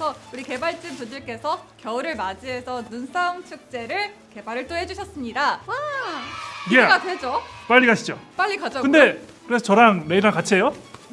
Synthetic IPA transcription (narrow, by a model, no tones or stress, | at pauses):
sʰʌuɾike̞baɭt͡ɕ͈ɯnpod͡ʑɯɭk͈e̞sʰʌkjʌuɾɯɭmad͡ʑiɦe̞sʰʌnunsʰaŋt͡ɕʰɯk̚t͡ɕ͈e̞ɾɯɭke̞baɾɯɭt͈oɦe̞d͡ʑuɕʰʌs͈ɯmɲidaa | jeɡadwe̞d͡ʑop͈aʎːikaɕʰid͡ʑop͈aʎːikad͡ʑokɯnde̞kɯɾe̞sʰʌt͡ɕʌɾaŋneiɾakat͡ɕʰiejo